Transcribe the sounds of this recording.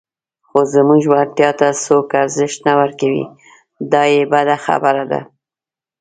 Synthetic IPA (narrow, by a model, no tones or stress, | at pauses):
xozəmuɡʒwant̪jɑt̪asokaɾzɪʃt̪nawəɾkawḭ | d̪ɑjebad̪axa̰baɾad̪a̰